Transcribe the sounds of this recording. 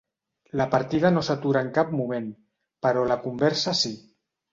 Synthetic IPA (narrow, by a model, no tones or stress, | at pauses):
ləpaɾt̪ið̞anosat̪uɾaəŋkap̚mumen | pəɾɔlakumbɛɾsasi